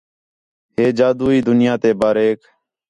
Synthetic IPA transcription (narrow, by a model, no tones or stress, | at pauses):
ɦeːd͡ʒaːd̪uːiːd̪ʊnɪjãːt̪eːbaːɾeːk